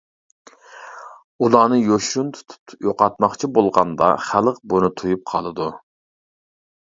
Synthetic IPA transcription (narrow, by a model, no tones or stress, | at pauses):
ulˠɑːnɨjoʃunt̪ʰu̥t̪ʰt̪joqɑt̪mɑχt͡ʃʰibolˠʁɑnd̪ɑ̰χælˠəq̚bunɨt̪ʰujup̚qʰɑlˠɨd̪u